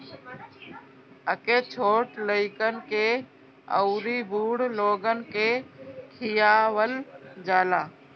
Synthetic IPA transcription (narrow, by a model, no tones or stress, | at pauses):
əkeːt͡ʃʰoːʈləɪkənɪ̆keː | ə̰ʊɾiːbʱuːɽloːɡənɪ̆keːkʰijaːʋəld͡ʒaːlaː